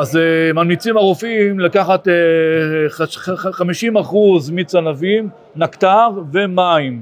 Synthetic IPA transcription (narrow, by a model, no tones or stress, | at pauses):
azemalmit͡simaʁofimlakaχat̪e | χaχamiʃimaχuzmit͡sanavim | nakt̪aʁvemaim